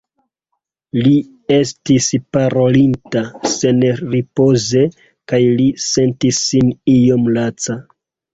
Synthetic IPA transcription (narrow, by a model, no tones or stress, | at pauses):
li | e̞stispaɾo̞lintase̞nɾipo̞ze̞ | kajlise̞ntisːinio̞mlat͡sa